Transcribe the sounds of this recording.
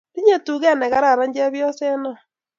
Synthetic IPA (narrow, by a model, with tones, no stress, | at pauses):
ɾi˦ɲe˦tu˨ɣɛ˦˨nɛ˨ɣa˦ɾa˨ɾa˦ɲd͡ʒa˦βjɔ˦sɛ˦nɔ˦˨